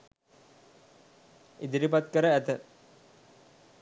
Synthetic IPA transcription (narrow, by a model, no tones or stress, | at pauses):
id̪iɾipat̪kəɾəæt̪ə